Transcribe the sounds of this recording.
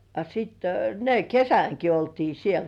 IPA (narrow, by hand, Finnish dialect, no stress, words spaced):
ɑ sitːe ne kesæŋki oltiː siel